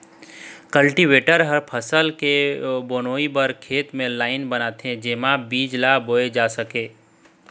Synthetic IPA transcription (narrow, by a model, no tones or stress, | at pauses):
kəlʈiʋeːʈəɾɦəɾpʰəsəlkeboːnoːibəɾkʰeːt̪mẽlaːɪnbɐnaːt̪ẽd͡ʒeːmãbiːd͡ʒlaboːed͡ʒaːsəkeː